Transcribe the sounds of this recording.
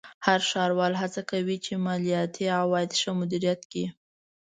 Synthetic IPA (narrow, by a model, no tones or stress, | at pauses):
haɾʃɑɾwɑlɦat͡sakawit͡ʃemɑlijɑt̪ʰiawɑjɪd̪ʃəmʊd̪iɾijat̪ki